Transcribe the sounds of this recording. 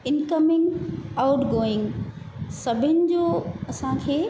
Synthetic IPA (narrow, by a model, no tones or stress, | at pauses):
ɪnkəmɪ̃ŋɡaʊʈɡoːɪ̃ŋɡ | sɐbʱɪnɪ̆d͡ʑoːɐsãkʰeː